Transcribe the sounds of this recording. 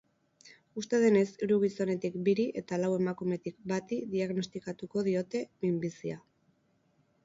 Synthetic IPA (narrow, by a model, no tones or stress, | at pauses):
ust̪e̞ð̞e̞ne̞siɾuɣ̞iso̞ne̞t̪ikbiɾiʔe̞t̪alawe̞makume̞t̪ikbat̪iðiaɣno̞st̪ikat̪uko̞ðio̞t̪e̞mimbisia